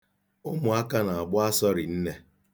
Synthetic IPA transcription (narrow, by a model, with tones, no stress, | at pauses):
ʊ˦mʊ˨a˦ka˦na˨a˨ɡ͡bʊ˦a˦sɔ˦ɾɪ˨n̩˦ne˦